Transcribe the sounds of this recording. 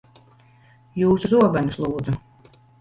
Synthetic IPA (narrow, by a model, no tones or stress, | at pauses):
juːsuzuɔbanuslˠuːd̪zu